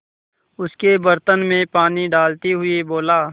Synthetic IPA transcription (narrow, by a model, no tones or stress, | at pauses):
ʊskebəɾt̪ənmẽpaːniɖaːlt̪iɦʊeboːlaː